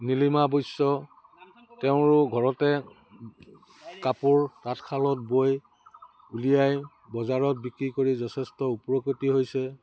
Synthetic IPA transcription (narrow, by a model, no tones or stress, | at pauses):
nilimabojsːɔ | tɛʊ̃ɹʊɡʱɔɹɔtɛ | kapʊɹtatkʰalɔt̚boj | ulijaj | bɔzaɹɔt̚bikɹikoɹizɔtʰɛstɔupɹokitiɦojsɛ